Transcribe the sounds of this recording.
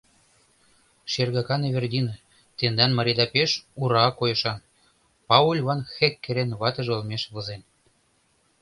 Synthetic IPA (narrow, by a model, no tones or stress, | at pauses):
ʃerɣɑkɑneβʲerd̪ʲinɤ | t̪end̪ɑnmɑɾʲid̪ɑpeʃuɾɑkojɤ̆ʃɑn | pɑulʲβɑnxekːeɾenβɑt̪ə̆ʒolmeʃβɤ̆zen